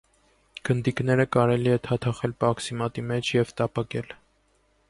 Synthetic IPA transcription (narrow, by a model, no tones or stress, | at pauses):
ɡ̥ənd̪iknɛɾəkɑɾɛliɛt̪ʰɑt̪ʰɑχɛlpɑksimɑt̪imɛt͡ʃʰjɛvt̪ɑpɑkɛ̰l